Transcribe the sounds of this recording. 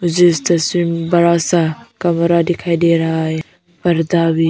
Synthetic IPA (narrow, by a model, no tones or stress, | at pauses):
mʊd͡ʒest̪ɐsmimbɐɾasãkɐmɾad̪ekʰaːid̪eɾɐɦaːɦe | pɐɾd̪abi